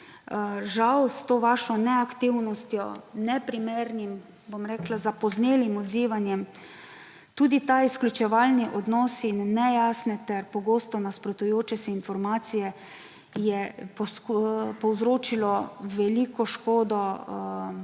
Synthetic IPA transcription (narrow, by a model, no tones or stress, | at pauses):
ʒawst̪oːʋaːʃɔnɛakt̪iwnɔst̪jɔnɛpɾimeːɾnim | bomɾɛːklazapɔzneːlimɔd̪ziːʋanjɛm | t̪uːd̪it̪aisklʲut͡ʃɛʋalniʔɔd̪nɔːsinːɛjaːsnɛt̪ɛɾpɔɡoːst̪ɔnaspɾɔt̪ujoːt͡ʃɛsɛinfɔɾmaːt̪sijɛ | jɛp | pɔwzɾoːt͡ʃilɔʋɛliːkɔʃkoːd̪ɔ